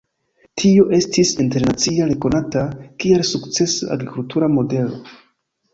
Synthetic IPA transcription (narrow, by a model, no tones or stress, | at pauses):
tʰio̞ʔe̞stisinte̞ɾnat͡siaɾe̞ko̞natakielsukt͡se̞sua̰ɡɾikultuɾamo̞de̞lo̞̰